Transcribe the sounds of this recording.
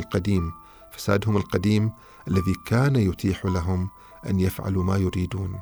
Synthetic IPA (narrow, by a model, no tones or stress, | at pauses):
lqɑd̪iːm | fḁsaːd̪hʊmɪlqɑd̪iːm | ʔalːaðikaːnajʊt̪ʰiːħlaɦʊm | ʔa̰njafʕa̰lumaːjʊɾiːd̪uːn